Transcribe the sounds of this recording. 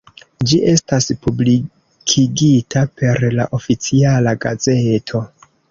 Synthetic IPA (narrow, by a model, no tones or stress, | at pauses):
d͡ʒiʔe̞staspubli | kʰiɡitʰapʰe̞ɾlaʔo̞fit͡sialaɡaze̞tʰo̞